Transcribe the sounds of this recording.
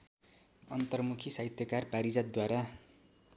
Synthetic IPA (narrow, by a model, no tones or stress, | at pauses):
ʌnt̪ʌrmukʰisajt̪jʌkarpaɾid͡zat̪̚d̪waɾa